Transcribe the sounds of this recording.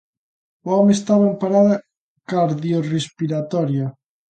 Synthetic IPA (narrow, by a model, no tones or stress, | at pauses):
oɔmeest̪aβaempaɾaða | kaɾðjorespiɾat̪ɔɾja